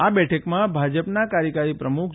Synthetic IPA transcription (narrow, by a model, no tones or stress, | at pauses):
abɛʈʰəkmãbʱad͡ʒəpnakaɾjəkaɾipɾəmukʰ